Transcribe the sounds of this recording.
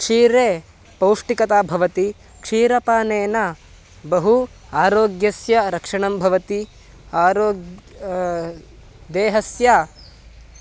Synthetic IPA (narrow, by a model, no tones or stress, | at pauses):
kʂiːɾeː | pɐwʂʈikɐt̪aːbʱɐʋɐt̪i | kʂiːɾɐpaːneːnɐ | bɐɦu | aːɾoːɡjɐsjɐɾɐkʂɐɳɐmbʱɐʋɐt̪i | aːɾoːɡ | d̪eːɦɐsja